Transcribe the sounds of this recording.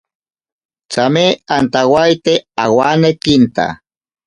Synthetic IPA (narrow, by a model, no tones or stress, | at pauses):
t͡sameant̪awajt̪eawanekint̪a̰